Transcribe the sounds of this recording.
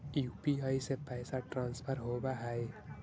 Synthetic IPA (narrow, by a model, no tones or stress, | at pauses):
jupiaːisepɛːsaʈɾãːnspʰəɾɦobaɦae